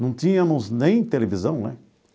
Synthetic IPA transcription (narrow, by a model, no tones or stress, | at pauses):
nɐ̃w̃t̪ĩɲɐmʊznẽj̃t̪elevizɐ̃w̃nɛ